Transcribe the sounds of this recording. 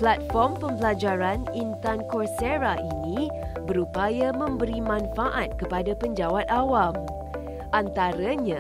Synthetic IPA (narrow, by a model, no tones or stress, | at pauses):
plat̪̚fɔrmpəmpəlad͡ʒaɾanint̪ankɔrseɾaʔinĩbəɾupajamə̃mbəɾimãnfaʔat̪̚kəpadapəɲd͡ʒawat̪̚awam | ʔant̪aɾaɲã